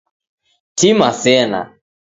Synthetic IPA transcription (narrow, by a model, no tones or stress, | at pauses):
timasɛna̰